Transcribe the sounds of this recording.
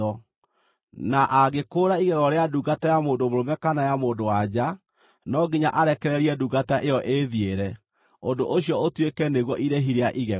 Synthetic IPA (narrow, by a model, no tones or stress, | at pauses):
ɔ | naʔaɣekoːɾaiɣɛɣɔɾeaduɣatajamoːndomoɾomɛkanajamoːndowad͡ʑa | nɔɡiɲaʔaɾɛkɛɾɛɾiɛduɣataʔejɔʔeðieɾɛ | ondoʔoɕjɔotwekɛneɣɔʔiɾeɦiɾeaʔiɣɛ